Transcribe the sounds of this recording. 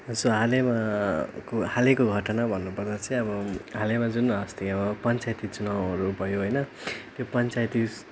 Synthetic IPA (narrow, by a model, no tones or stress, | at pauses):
ʌd͡zoɦalemakohalekoɡʱʌʈʌnabʱʌnːupʌrd̪at͡sʌĩʌbʌɦalemad͡zunʌst̪ʰiʌbʌpʌnt͡sajt̪it͡sunaw̃ʌɾubʱʌjoɦojnʌt̪jopʌnt͡sajt̪i